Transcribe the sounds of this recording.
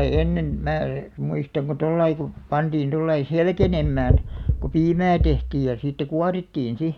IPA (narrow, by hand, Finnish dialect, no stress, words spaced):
ei enːen mæː muistɑŋ ko tolːɑi ku pɑntiːn tolːɑi selkenemːæːn ku piːmæː tehtiːj jɑ siːtːæ kuɑritːiːn si